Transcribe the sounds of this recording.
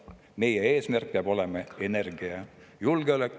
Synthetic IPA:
me̞jee̞ːsmærk̚peɑbo̞lemɑe̞ne̞rɡ̥iɑ | julɡeylekː

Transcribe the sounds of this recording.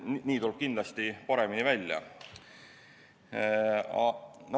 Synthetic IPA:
niːt̪ulb̥̚kind̪lɑst̪ipɑɾe̞minivælʲjɑ̰ | ɑno

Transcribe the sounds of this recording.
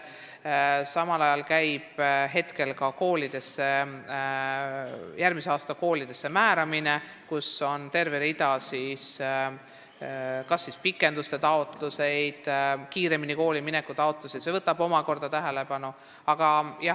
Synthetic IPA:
sɑmɑlɑjɑlkæjb̥ɦe̞t̪ke̞lkɑko̞ːlid̪̥e̞sːe̞ | jæɾmiseɑːst̪ɑko̞ːlid̪̥e̞sːe̞mæːɾɑmine̞ | kuso̞nt̪e̞rveɾid̪ɑsiːs | kɑsːispikːˑe̞nd̪ust̪e̞t̪ɑo̞t̪luse̞jd̪̥kiːɾe̞miniko̞ːlimine̞kːˑut̪ɑot̪ːˑluse̥sevɤt̪ːˑɑbo̞mɑko̞rd̪̥ɑt̪æɦe̞le̞pɑnu | ɑɡ̥ɑjɑ

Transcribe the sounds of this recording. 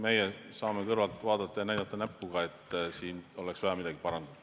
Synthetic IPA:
me̞jesɑːmekɤrvɑlt̪ːˑvɑːd̪̥ɑt̪ˑːɑjɑnæjd̪̥ɑt̪ˑːɑnæpːuɡ̥ɑe̞t̪ːˑsiːno̞leksvɑjɑmid̪̥ɑɡ̥ipɑɾɑnd̪ud̪̥

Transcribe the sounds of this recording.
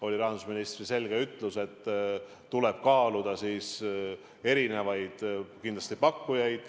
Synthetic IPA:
o̞lʲiɾɑɦɑnd̪u̥sminist̪rise̞lɡe̞yt̪ːˑluse̞t̪ː | ule̞b̥̚kɑːlud̪̥ɑsiːs | e̞ɾine̞vɑjd̪̥kind̪lɑst̪ipɑkːujɑjd̪̥

